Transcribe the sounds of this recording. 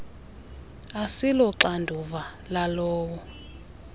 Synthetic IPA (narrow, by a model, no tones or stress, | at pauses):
asilɔǁandʱuva | lalɔːwɔ